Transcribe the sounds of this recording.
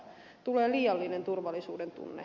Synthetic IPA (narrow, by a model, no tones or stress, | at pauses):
t̪uleːliːɑlːinent̪urʋɑlːisṵːdent̪ṵnːḛ